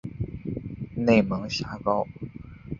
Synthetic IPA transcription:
ne˥˩ɪmɤ˧˥ŋɕja˥kɑ˥ʊ

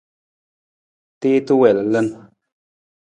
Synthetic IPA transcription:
te˦t̪u˦wɛ˨lə˨lə˦n

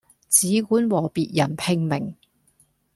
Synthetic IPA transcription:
t͡siː˨˧kuː˨˥nwɔː˨˩piː˨t̚jɐ˨˩npʰɪ˧ŋmɪ˨˩ŋ

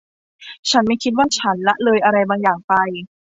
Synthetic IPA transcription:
t͡ɕʰa˦˥nma˥˩jkʰi˦t̪̚waː˥˩t͡ɕʰa˦˥nla˦˥ʔlɤː˧jʔa˧ɾa˧jbaː˧ŋjaː˨˩ŋpa˧j

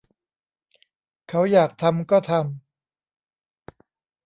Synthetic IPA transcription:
kʰa˦˥wjaː˨˩k̚t̪ʰa˧mkɔː˥˩t̪ʰa˧m

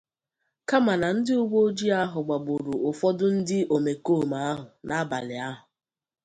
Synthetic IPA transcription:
ka˦ma˨na˨n̩˦dɪ˦ʊ˦ɡ͡bo˦o˦d͡ʒi˦a˦ɦʊ˨ɡ͡ba˨ɡ͡bʊ˨ɾu˨ʊ˨fɔ˦dʊ˦n̩˦dɪ˦o˨me˨ko˦˨ma˦a˦ɦʊ˨nʔa˦a˦ba̰˨lɪ̰˨a˦ɦʊ˨

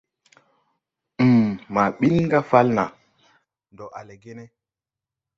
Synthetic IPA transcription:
mma˨ɓi˦nŋɡa˦fa˦lna˨ | ndo˨ʔa̰˨le˨ɡe˦ne˦

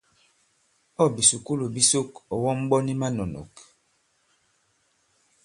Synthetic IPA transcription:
ɔ˦˨bi˨su˨ku˦lo˨bi˦so˦kɔ˨wɔ˦m˦ɓɔ˦ni˦ma˦nɔ˨nɔ̰˨k

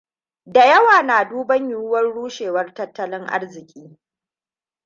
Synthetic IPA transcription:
da˨jɐ˦waː˨naː˨duː˦bɐ˦ɲjʊ˨wʊ˦wɐ˦nɽuː˦ʃeː˨wɐ˦rtɐ˦tːɐ˦lɪ˦ŋʔa̰˦rzɪ˨kʲʼiː˦

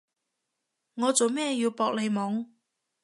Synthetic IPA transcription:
ŋɔː˨˧t͡so˨wmɛː˥˧jiː˧wpɔː˧k̚le˨˧jmɔː˨˥ŋ

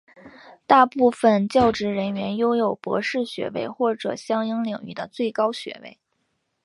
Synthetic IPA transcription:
t̪a˥˧pu˥˩fə˩nt͡ɕjɑ˥˩ʊʈ͡ʂɻ̩˧˥ɻə˧˥nɥɛ˧˥njo˥ʊjo˨˩ʊpwɔ̰˧˥ʂɻ̩˥˩ɕɥɛ̰˧˥wḛ˧˥ɪxwɔ˥˩ʈ͡ʂɤ̰˨˩ɕjɑ˥ŋi˥ŋljɑ˨˩ŋy̰˥˩d̪ə˧t͡swe˥˩ɪkɑ˥ʊɕɥɛ̰˧˥wḛ˥˩ɪ

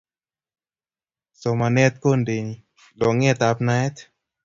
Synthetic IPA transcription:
sɔ˨˧ma˧nɛ˧˦t̪̚ko˥˨nde˨ni˨ | lɔ˨˧˨ŋɛ˦˧˨t̪a˨˧˦p̚na˧˦jt̪

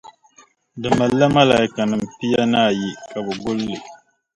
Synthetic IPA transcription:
dɨ˨ma˨lːa˦ma˦la˨i˦ka˨nɨ˨m̩˨pi˦ja˦na˦˨ji˨kʼa˨bə˨ɡʊ˦lːɪ˨

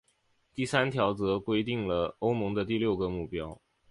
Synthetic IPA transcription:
t̪i˥˩sa˥nt̪ʰjɑ˧˥ʊt͡sɤ˧˥kwe˥ɪt̪i˥˩ŋlə˩o˥ʊmɤ˧˥ŋd̪ə˧t̪i˥˧ljo˥˩ʊɡə˧˦mu˥˩pjɑ˥ʊ

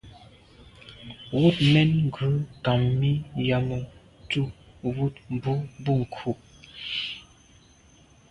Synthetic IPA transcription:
wu˦˨t̚mɛ˦nŋ˦ɡʉ˨˦ka˨mːi˦ja˨mɔ˨ | tu˦wu˦˨t̚m˦bu˦bu˦˨ŋ̩˨kʰu˨p̚

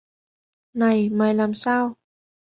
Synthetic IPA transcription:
na˨˩jmaː˨˩jlaː˨˩msaː˧w

